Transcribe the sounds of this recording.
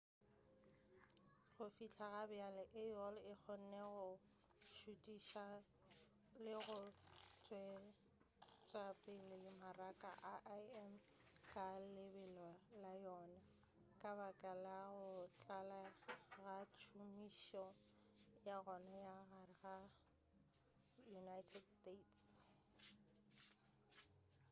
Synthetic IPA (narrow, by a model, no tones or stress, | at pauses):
ɣʊfit͡ɬʰaɣabɪalɪʔɪjɔlɪk͡xʰɔn̩nɛɣʊ | ʃutʼiʃa | lɪɣʊt͡sʼwɛ | t͡ʃʼapʼɪlɪimarakʼa̰ʔaʔaɛm | kʼalɪbɛlɔlajɔna | kʼabakʼalaɣʊt͡ɬʼalaɣat͡ʃʰumiʃɔ | jaɣɔnajaɣarɪɣa | junajtʰɛdstetʰs